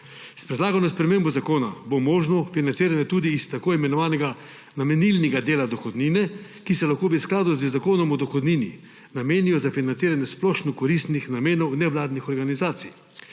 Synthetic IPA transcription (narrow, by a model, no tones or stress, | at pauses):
spɾɛd̪laːɡanɔspɾɛmeːmbɔzakoːna̰bomoːʒnɔfinant̪siːɾanjɛt̪uːd̪iːst̪akoːimɛnɔʋaːnɛɡa | namɛnilnɛɡad̪eːlad̪ɔxɔd̪niːnɛkisɛlaxkoːbisklaːd̪uzəzakoːnɔmɔd̪ɔxɔd̪niːnḭ | nameːnijɔzafinant̪iːɾanjɛsplɔʃnɔkɔɾist̪nixnameːnɔwnɛʋlaːd̪nixɔɾɡanizaːt̪sḭj